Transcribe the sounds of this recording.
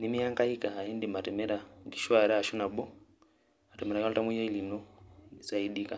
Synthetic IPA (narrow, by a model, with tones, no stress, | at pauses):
ni˦mi˦a˦ŋka˦i˦kaː˨i˦ndi˨ma˨tɛ˨mɛ˦ɾa˨ŋɡi˨ʃwaɾɛ˦a˨ʃu˦na˨ɓɔ˦ | a˨tɛ˨mɛ˨ɾa˨ja˦lta˦mu˦ja˦i˦li˨nɔ˦i˨sa˨i˦ɗi˦ka